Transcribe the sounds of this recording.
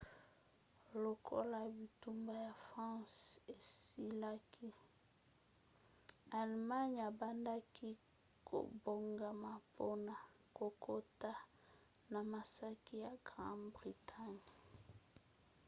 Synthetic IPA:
lo˨kʰo̰˦la˨bi˨tu˦mba˦ja˨fʁɑ̃˦se˨si˦la˦kʰi˦ | a˨lma˦ɲ˨a˨ba˦nda˦ki˦ | kʰo̰˨bo˨ŋɡa˨ma˨po˦na˨ | ko˨kʰo˦ta˦ | na˨ma˨sa˦ki˦ja˨ɡʁã̰˦nbʁi˨tʰa˦ɲ˨

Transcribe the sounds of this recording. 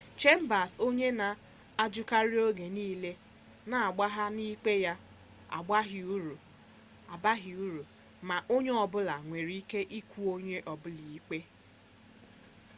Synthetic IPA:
t͡ʃe˦m̩˦ba˨so˦ɲe˦na˨ | a˦d͡ʒʊ˦ka˦ɾi˦o˦ɡe˨niː˦le˦ | na˨a˨ɡ͡ba˦ɦa˦ni˦k͡pe˦ja˦ | a̰˨ɡ͡ba˦ɦi˨u˦ɾu˨ | a˨ba˦ɦi˨u˦ɾu˨ | ma˨ʔo˦ɲe˦ɔ˨bʊ˦la˨ŋʷe˨ɾi˦i˦ke˦ʔi˦kʷu˦o˦ɲe˦ʔɔ˨bʊ˦li˨i˦k͡pe˦

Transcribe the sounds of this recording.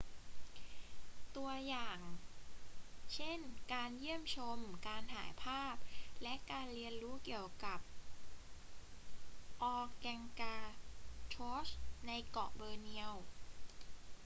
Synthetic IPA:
t̪u˧ɐjaː˨˩ŋ | t͡ɕʰe˥˩nkaː˧njɯ˥˩əmt͡ɕʰo˧mkaː˧nɦaː˩˦jpʰaː˥˩p̚lɛ˦˥ʔkaː˧nɾi˧ənɾuː˦˥ki˨˩əwka˨˩p̚ | ʔɔː˧kɛ˧ŋkaː˧t͡ɕʰoː˦˥sna˧jkɔ˨˩ʔ̚bɤː˧ni˧əw

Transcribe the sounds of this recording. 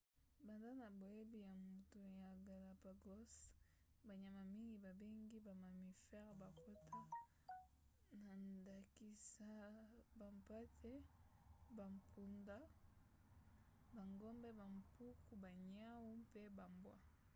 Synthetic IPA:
ba˨nda˦na˨bo˨e˦bi˦˨ja˨mu˨tu˨ja˨ɡa˨la˨pa˨ɡɔ˦s | ba˨ɲa˨ma˨mi˦ŋɡi˨ba˨be˦ŋɡi˦ba˨ma˨mi˨fɛ˦ʁba˨ko˦tʰa˦ | na˨nda˨ki˨sa˦ba˨mpa˦tʰɛ˦ | ba˨mpʰu˨nda˦ | ba˨ŋɡɔ˦mbɛ˦ba˨mpu˦ku˦ba˨ɲa˦wu˦pe˦ba˨mbwa˦

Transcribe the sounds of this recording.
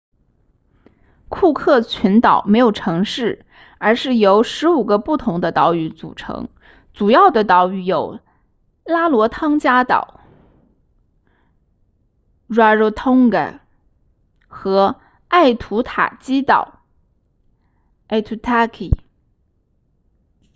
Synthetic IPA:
kʰu˥˧kʰɤ˥˩t͡ɕʰy˧˥nt̪ɑ˨˩ʊme˧˥ɪjo˨˩ʊʈ͡ʂʰɤ˧˥ŋʂɻ̩˥˩ | ə˞˧˥ʂɻ̩˥˩jo˧˥ʊʂɻ̩˧˥u˨˩ɡə˦pu˥˩t̪ʰʊ˧˥ŋd̪ə˧t̪ɑ˧˥ʊy˧˥˩t͡sṵ˨˩ʈ͡ʂʰɤ̰˧˥ŋ | t͡su˨˩jɑ˥˩ʊd̪ə˩t̪ɑ˨˩ʊy˧˩jo˨˩˦ʊ | la˥lwɔ˧˥t̪ʰɑ˥ŋt͡ɕja˥t̪ɑ̰˨˩ʊ | ɻwa˥˧ɻo˥˧˩t̪ʰʊ˥ŋɡə̰˨˩ | xɤ˧˥ | a˥˩ɪt̪ʰu˧˥t̪ʰa̰˨˩t͡ɕi˥t̪ɑ̰˨˩˦ʊ | a˥˩ɪt̪ʰu˧˥t̪ʰa˥kʰḭ˨˩

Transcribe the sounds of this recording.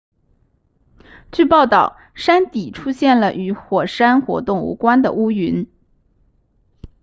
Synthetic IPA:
t͡ɕy˥˧pɑ˥˧ʊt̪ɑ˥˩ʊ | ʂa˥nt̪i˨˩ʈ͡ʂʰu˥ɕjɛ˥˩nlə˩ʔy˧˥xwɔ˨˩ʂa˥nxwɔ̰˧˥t̪ʊ˥˩ŋṵ˧˥kwa˥nd̪ə̰˨u˥y˧˥n

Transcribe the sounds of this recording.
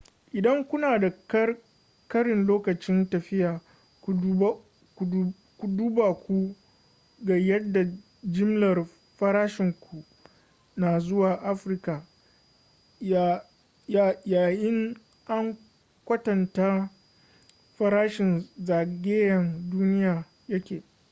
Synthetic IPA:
ʔɪ˨dɐ˦ŋkʷʊ˦naː˨da˨k | kɐ˦ɽɪ˨nloː˦kɐ˨t͡ʃɪ˦ntɐ˨ɸɪ˦jaː˨ | kʷ | kʷu˨duː˦ba˨kʷu˦ | ɡɐ˨jɐ˦dːa˨ | d͡ʒɪ˦mlɐ˨r | ɸɐ˦ɾaː˦ʃɪ˨ŋkʷu˨ʔ | na˨zʊ˦waː˨ʔa˦ɸɾɪ˦ka˨ | a˨ | jaː˨jɪ˦ŋ | ʔa˦ŋ | kʷɐ˦tɐ˨nta˦ | ɸɐ˦ɾaː˦ʃɪ˨nzaː˨ɡʲeː˦jɐ˨nduː˦nɪ˦jaː˨ | jɐ˦kʲeː˨

